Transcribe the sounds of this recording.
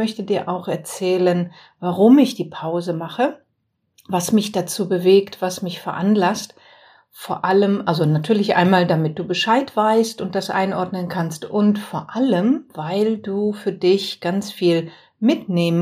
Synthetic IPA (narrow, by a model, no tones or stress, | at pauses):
mœçtədiːɐʔaʊxɛɐt͡sɛːlən | vaʁʊmɪçd̥iːpʰaʊzəmaχə | vasmɪçd̥at͡suːbəveːktv̥asmɪçfɛɐʔanlast | foːɐʔaləmʔalzonatʰyːɐlɪçʔa̰ɪnmaːldamɪt̚d̥uːbəʃaɪtv̥aɪstʊnt̚d̥asʔa̰ɪnʔɔɐdnənkʰanstʔʊntfoːɐʔaləmvaɪlduːfyːɐdɪçɡ̥ant͡sfiːl | mɪtneːmə